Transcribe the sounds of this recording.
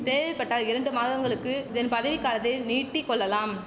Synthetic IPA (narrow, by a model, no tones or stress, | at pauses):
t̪eːʋɐɪpːɐʈːaːlɪɾɐɳɖɯmaːðɐŋɡɐɭɯkːɯɪðɐnpɐðɐʋɪkːaːlɐt̪ːɐɪniːʈːikːɔɭːɐlaːm